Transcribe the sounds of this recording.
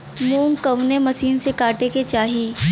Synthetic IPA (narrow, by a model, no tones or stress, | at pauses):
mũːŋkɐʋnemɐsiːnsekaːʈeket͡ʃaːɦi